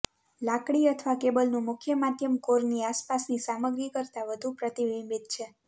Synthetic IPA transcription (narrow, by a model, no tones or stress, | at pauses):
lakɽiət̪ʰʋakebəlnũmʊkʰjəmad̪ʱjəmkoɾniaspasnisaməɡɾikəɾt̪aʋəd̪ʱũpɾət̪iʋimit̪̚t͡ʃʰe